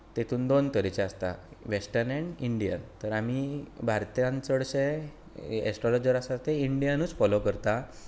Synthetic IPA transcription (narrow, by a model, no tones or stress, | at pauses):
t̪et̪ʰuːnd̪ont̪əɾit͡ɕeast̪a̰ʋesʈəɾleɳɖiɳɖijə̰nt̪əɾamibʱaɾt̪jãnt͡səɽɕe | ḛsʈɾɔlɔd͡ʑəɾasat̪eiɳɖijanuːt͡sfɔlokəɾt̪a